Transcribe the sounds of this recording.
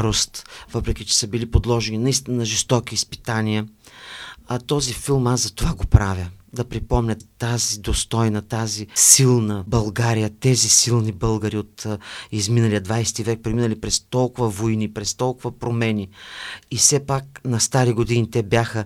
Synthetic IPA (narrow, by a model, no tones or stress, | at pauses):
ɾost̪vɤpɾɛkʲit͡ʃɛ̥səbilipod̪lˠɔʒɛninɐist̪innɐʒɛst̪ɔkiːspit̪anijə | ɐt̪ɔzifilˠmasɐt̪ovaɡopɾavjəd̪ɐpɾipɔmnʲət̪ːazid̪ost̪ɔjnɐt̪azisilˠnəbɐlˠɡaɾijət̪ɛzisilˠnibɤlˠɡəɾiot̪izminəlijəd̪vajst̪ivɛk̚pɾiminəlipɾɛst̪ɔlˠkʊvəvoinipɾɛst̪ɔlˠkʊvɐpɾomɛnʲiifsɛpak̚nɐst̪aɾiɡod̪init̪ɛbjaxə